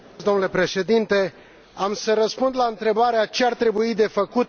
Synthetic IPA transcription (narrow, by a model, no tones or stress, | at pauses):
sd̪o̞mnule̞pɾe̞ʃe̞d̪int̪e̞ | amsəɾəspund̪laɨnt̪ɾe̞baɾeat͡ʃe̞art̪ɾe̞buid̪e̞fəkut̪